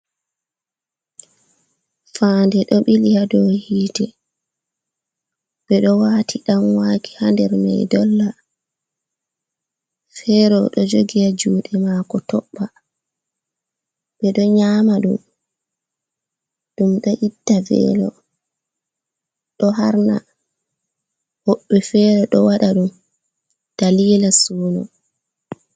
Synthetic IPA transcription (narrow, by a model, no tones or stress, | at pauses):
fandɛɗɔɓilijadɔhiːtɛ | b̥ɛɗɔwaːtʰiɗamwaːki̥handɛɾmɛ̰jdɔlːa | fɛɾɔɗɔd͡ʒoɡijad͡ʒuːɗɛmaːkɔtɔɓːa | ɓɛɗɔɲaːmaɗṵm | ɗumɗɔʔitːavɛ̰ːlɔ̰ | ɗɔɦaɾna̰ | hoɓːɛfɛɾɔɗɔwaɗaɗum | d̥aliːlasuːnɔ̰